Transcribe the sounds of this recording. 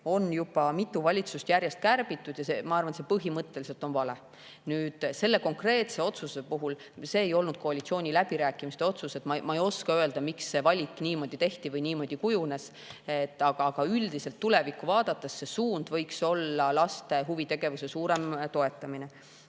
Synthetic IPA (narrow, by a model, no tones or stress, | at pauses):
o̞njub̥ɑmit̪ːˑuvɑlʲit̪sust̪jæɾje̞st̪̚kærb̥it̪ːˑud̪̥jɑsemɑɑrvɑnse̞pɤɦimɤt̪ːe̞lis̬e̞lt̪o̞nvɑle̞ | nyːd̪̥se̞lːe̞ko̞ŋkre̞ːt̪se̞o̞t̪suse̞puɦul | se̞ːejo̞lnud̥̪̚ko̞ɑlʲit̪sio̞ːnʲilæb̥iɾæːkːˑimist̪e̞o̞t̪suse̞t̪mɑmɑe̞jo̞skɑøe̞ld̪ɑmiksːe̞vɑlʲikːˑniːmo̞ːd̪̥it̪e̞ht̪ivɤjniːmo̞ːd̪̥ikujune̞s | et̪ːɑɡ̥ɑɡ̥ɑyld̪iselt̪ːule̞vikːuvɑːd̪̥ɑt̪ːˑesːe̞suːnd̪̥vɤjkso̞lːɑlɑst̪e̞ɦuvit̪eɡ̥e̞vuse̞suːɾe̞mt̪o̞e̞t̪ːˑɑmine